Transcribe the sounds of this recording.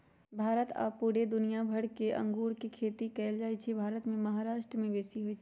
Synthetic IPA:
bʱaːɾət̪a̰ːpːuːɽed̪ʊnijabʱɐɽkeʔɐ̰̃ŋɡuːɾkikʰeːt̪ikɛːld͡ʒaːit͡ʃʰibʱaːɾət̪mẽmɐɦaɾaːʃʈɾəmẽbeːsiɦʊit͡ʃʰː

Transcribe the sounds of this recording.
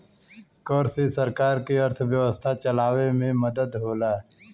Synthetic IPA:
kɔːɾsesəɾkaːɾkeəɾt̪ʰʋjəʋəst̪ʰat͡ʃəlaːʋemẽməd̪əd̪ɦoːlaː

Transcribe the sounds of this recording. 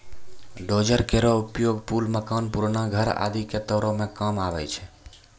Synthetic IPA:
ɖod͡ʒəɾkeɾɔupjoɡpulməkanpuɾnaɡʱəɾa̰d̪iket̪ɔɾɔ̃mekəmabɛt͡ʃʰɛ

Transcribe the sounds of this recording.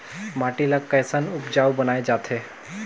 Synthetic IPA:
maːʈilakːəjsənʊpd͡ʒaːubənaːed͡ʒaːt̪ʰe

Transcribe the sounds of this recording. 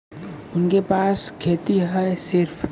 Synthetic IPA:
ʊnkepaːskʰeːt̪iɦɛsɪɾpʰ

